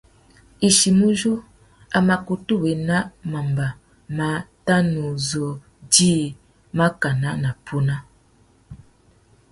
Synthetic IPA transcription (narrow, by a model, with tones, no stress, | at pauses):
i˨ʃi˨mu˦ʒu˦ | a˨ma˨ku˨tu˦˨we˨na˦ma˨mba˨ | ma˨˦ta˦nu˨zo˨ | di˦˨ | ma˦ka˨na˦na˨pʰu˦na˦